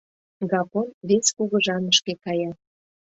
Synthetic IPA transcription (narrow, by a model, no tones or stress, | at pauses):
ɡɑkonβeskuɣəʒɑnəʃkekɑjɑ